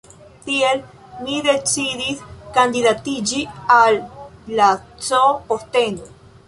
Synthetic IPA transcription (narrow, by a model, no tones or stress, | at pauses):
t̪iel | miðet͡siðiskand̪iðat̪id͡ʒialːat͡sopost̪eno